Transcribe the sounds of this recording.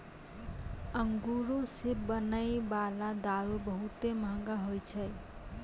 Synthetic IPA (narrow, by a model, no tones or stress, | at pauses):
əŋɡuɾosebənəjbalad̪aɾubəɦut̪emɦə̃ŋɡaɦojt͡ʃʰəj